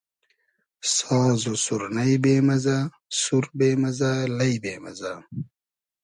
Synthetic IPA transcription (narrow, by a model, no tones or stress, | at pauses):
sɔːzosuɾnɐjbeːmɐza | suɾbeːmɐzalɐjbeːmɐ̰za